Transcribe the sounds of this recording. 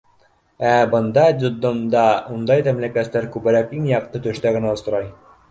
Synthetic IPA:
æbɤ̆nd̪ɑd̪ʲod̪omd̪ɑund̪ɑjt̪æmlikæt̪lːæɾkʉbɘ̆ɾækiŋjɑq̚t̪ɤt̪ɵ̆ʃt̪æɡɘ̆næŏsŏɾɑj

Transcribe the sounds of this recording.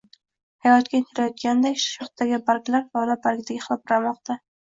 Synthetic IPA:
hajɒt̪kʲat̪ʰɪɾajɒt̪̚ɡʲand̪akʲʃʃɒχt̪̚d̪aɡʲɪbaɾkʲlaɾvalabaɾkʲd̪aɡʲɪχlˠɒp̚ɾamɒqt̪a

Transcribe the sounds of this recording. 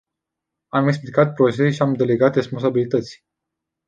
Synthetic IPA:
ameksplikat̪̚pɾo̞t͡ʃeseʃiamd̪e̞le̞ɡat̪re̞spo̞ns̬abilit̪ət̪sʲ

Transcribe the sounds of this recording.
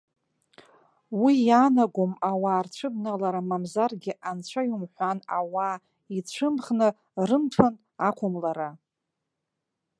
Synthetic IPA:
wijanaɡʷomawaːrt͡ɕʷʰɨbnalaɾamamzarɡʲɪʔant͡ɕʷʰajumħʷana̰wa | it͡ɕʷʰɨmχnɨ | rɨmtʷʰan | akʷʰʊmlaɾa

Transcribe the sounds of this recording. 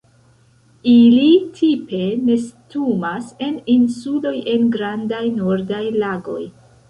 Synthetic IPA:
ilitʰipe̞ne̞stumase̞ninsulo̞je̞nɡɾandajnoɾdajlaɡo̞̰j

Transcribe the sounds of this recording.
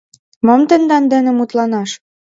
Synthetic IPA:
momt̪ə̆nd̪ɑnd̪ĕnɘ̆mut̪lɑnɑʃ

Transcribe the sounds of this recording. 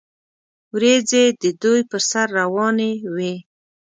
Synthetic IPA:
wɾed͡zed̪əd̪ujpəɾsaɾːawɑnewe

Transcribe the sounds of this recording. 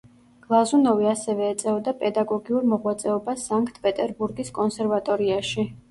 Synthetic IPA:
ɡ̥lˠazunɔviasɛvɛːt̪sʼɛɔd̪apʼɛd̪aɡɔɡiuɾmɔʁwat̪sʼɛɔbasaŋkʰʼt̪ʰpʼɛt̪ʼɛɾbuɾɡiskʼɔnsɛɾvat̪ʼɔɾiaʃi

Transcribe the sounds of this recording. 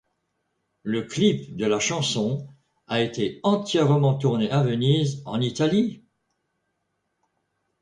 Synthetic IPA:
ləklipd̪əlaʃɑ̃sɔ̃ | aet̪eɑ̃t̪jɛʁmɑ̃t̪uʁneʔavənizɑ̰̃nit̪ali

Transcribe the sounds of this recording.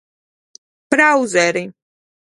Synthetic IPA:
pɾawzɛɾi

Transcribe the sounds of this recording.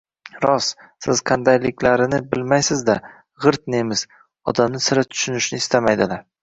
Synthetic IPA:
ɾɒs | sɪz̥qʰɑnd̪ajlɪkʲlaɾɪnɪbɪlmajsɪzd̪a | ʁɨɾt̪nemɪz̥ | ɒ̰d̪amnɪsɪɾat̪ʰʊ̥ʃʊnɪʃnɪːst̪ʰamajd̪ɪlaɾ

